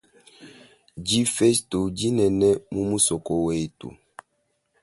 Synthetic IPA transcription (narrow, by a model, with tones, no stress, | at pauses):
d͡ʒi˦fɛ˦sto˨d͡ʒi˦nɛ˨nɛ˦mu˦mu˦sɔ˨kɔ˨we˦˨tṵ˨